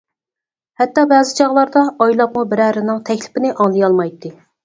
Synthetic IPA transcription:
hɛt̪ːɑbɛːzɪt͡ʃʰɑʁlˠɑɾd̪ɑɑjlˠɑpmubɪɾæɾɪnɨŋt̪ʰɛkʲlɪ̥pɪnɪʔɑŋlˠɨjɑlˠmɑjt̪ːɨ

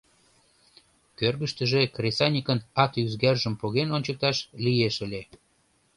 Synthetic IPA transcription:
kørɣəʃt̪ə̆ʒekrʲesɑnʲikənɑt̪yzɣærʒəmpoɣenonʲt͡ɕək̚t̪ɑʃlijeʃəlʲe

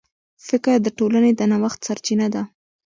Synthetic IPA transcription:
fɪkɾd̪əʈolaned̪anawaxt̪saɾt͡ʃinad̪a

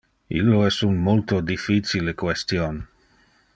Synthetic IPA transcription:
ḭlːoɛsunmolt̪od̪ifit͡silekwest̪jon

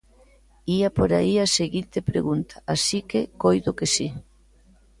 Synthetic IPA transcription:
iapoɾa̰iaseɣint̪epɾḛɣunt̪ʰḁasikekojðokesi

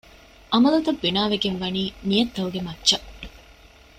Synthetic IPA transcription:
ʔɐmɐlut̪ɐbːinaːʋeɡenʋɐniːnijɐt̪ːɐʋuɡemɐtːt͡ʃɐ

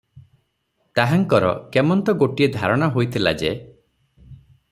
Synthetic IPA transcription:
t̪aɦaŋkɔɾɔ̰kemɔnt̪ɔɡoʈied̪ʱaɾɔɽ̃ɔɦojt̪ʰila̰d͡ʒe

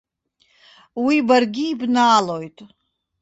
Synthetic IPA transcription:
wibarɡʲiːbnaːlojtʼ

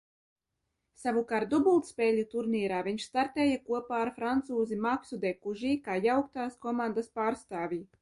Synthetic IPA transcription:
savukaɾt̪̚d̪ubulˠt̪spʲɛːlʲut̪uɾniːɾaːviɲʃst̪aɾt̪ɛːjakuɔpaːɾfɾant̪suːzimaksud̪ɛkuʒiːkaːjawk̚t̪aːskɔmãnd̪aspaːɾst̪aːvʲiː

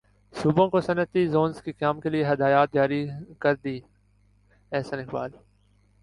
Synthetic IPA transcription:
suːbõːkosənət̪izoːnzkikaːmkelieɦɐd̪aːjaːt̪̚d͡ʒaːɾikɐɾd̪iː | ɛːsənɪkba̰ːl

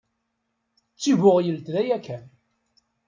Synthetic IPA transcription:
t͡sːiβʊʁjəlt̪ðæjækːæ

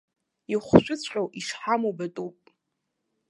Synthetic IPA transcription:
iχʷʃʷᶣʊt͡sʷʰʼqʲʼowʔiʂħamobatʼupʼ

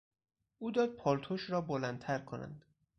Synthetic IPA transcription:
ʔuːd̪ɒːd̪̚pʰɒːlt̪ʰoʃɾɒːbolænt̪ʰæɾkʰonæ̰nd̪̥

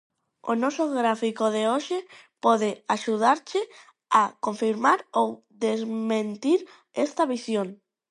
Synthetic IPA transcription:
o̰nɔsoɣɾafikoðeoʃe | pɔðeaʃuð̞aɾt͡ʃɪ | akoɱfiɾmaɾow | ðezmẽnt̪iɾ | ɛst̪aβisjoŋ

